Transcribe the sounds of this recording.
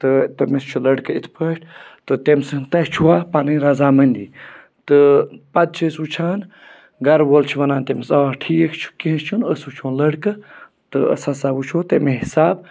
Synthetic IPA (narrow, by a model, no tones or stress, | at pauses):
t̪ɨt̪ɐmist͡ʃʰulɐɽkɨit̪ʰpʰəːʈʰt̪ɨt̪emsɨt̪ɐɦt͡ʃʰuwaːpanɨnɾɐzaːmɐnʲd̪i | t̪ɨpɐd̪̚t͡ʃʰəsut͡ʃʰaːn | ɡɐɾʋoːlt͡ʃʰʋɐnaːnt̪emsaaʈʰiːjekʰt͡ʃʰu̥kiɦə̃st͡ʃʰunəsut͡ʃʰõnlɐɽkɨ | t̪ɨə̰sasabut͡ʃʰoːt̪emeɦisaːb